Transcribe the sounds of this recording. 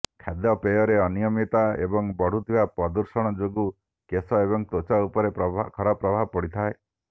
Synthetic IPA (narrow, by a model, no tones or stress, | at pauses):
kʰad̪jɔpejɔɾeɔnijɔmit̪aḛbɔŋbɔɽ̤ut̪ʰibapɔd̪uɾsɔɽ̃ɔd͡ʒoɡu | kesɔebɔŋt̪ot͡ʃaupɔɾekʰɔɾapɾɔbʱabɔpɔɽit̪ʰae